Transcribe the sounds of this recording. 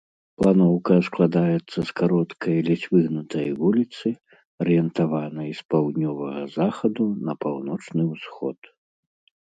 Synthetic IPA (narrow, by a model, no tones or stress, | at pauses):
plˠanɔwkɐsklˠad̪ajɛt̪sːɐskaɾɔt̪kʰɐjlʲit͡sʲvɨɣnut̪ʰɐjvulʲit̪sɨ | ɐɾɨjɛnt̪avanɐjspawd̪nʲɔvɐɣɐzaxɐd̪unɐpawnɔt͡ʂnɨwsxɔ̰t̪